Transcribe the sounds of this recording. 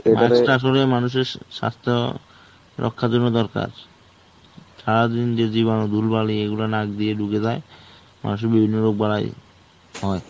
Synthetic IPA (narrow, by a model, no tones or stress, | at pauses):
emaaʈaaʃ̬olemanuʃ̬eɾʃa̰st̪ʰo̰ | ɾɔ̰kʰːad͡ʑonːod̪ɔɾka̰ɾ | ʃaɾad̪ind͡ʑed͡ʑiβanod̪ʱulbalieɡulanaɡd̪ieɖuked͡ʑae | ma̰nuʃ̬eɾbibʱinːoɾoɡ̚bala̰j | ɦɔe